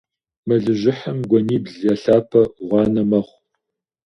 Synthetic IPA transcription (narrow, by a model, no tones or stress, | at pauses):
mɐɮɨʑɪħɐmɡʷɔniːbɮjɐɬaːpʰɐʁʷɑːnɐmɐχʷ